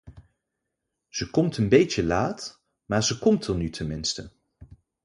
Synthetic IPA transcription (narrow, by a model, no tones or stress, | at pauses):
z̥əkɔmtənbejəlaːt | maːɹzəkɔmtənytʰɛnmɪnstə